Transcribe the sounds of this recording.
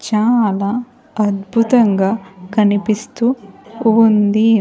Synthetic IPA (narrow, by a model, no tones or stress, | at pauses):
t͡ʃaːlaː | ɐd̪bʱut̪ɐŋɡaːkɐnipist̪uː | nd̪i